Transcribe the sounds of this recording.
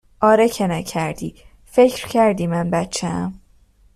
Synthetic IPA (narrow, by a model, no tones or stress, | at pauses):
ʔɒːɾecʰenæcʰæɾd̪̥iː | fecʰɾcʰæɾd̪iːmænbæt̪t͡ʃʰːeæm